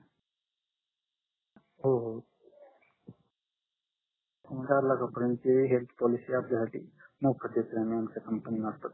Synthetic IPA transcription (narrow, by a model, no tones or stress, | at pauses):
ɦoɦo | mədaɾlakapəɾənteɦelt̪ʰpɔlisiapljasaʈḭːmokʰət̪jet̪ɾeamiːamt͡sakəmpənimaɾt̪ət̪